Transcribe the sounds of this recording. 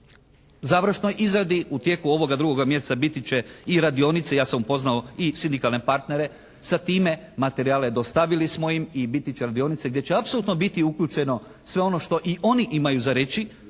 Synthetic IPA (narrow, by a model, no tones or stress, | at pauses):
zaʋɾ̩ʃno̞jʔizɾad̪iut̪je̞ːkuo̞ʋo̞ɡad̪ɾuɡo̞ɡamje̞st̪abit̪it͡ɕe̞iɾad̪io̞nit̪sejaːsamupo̞znaoisind̪ikalˠne̞paɾt̪ne̞ɾe̞ | sat̪iːme̞ | mat̪e̞ɾiaːled̪o̞st̪aʋilismo̞jimibit̪it͡ɕeɾad̪io̞nit̪seɡd̪jet͡ɕeapsolˠut̪no̞bit̪iukʎuːt͡ʃe̞no̞ | sʋeo̞no̞ʃt̪o̞ʔiʔo̞niʔimajuzaɾe̞t͡ɕi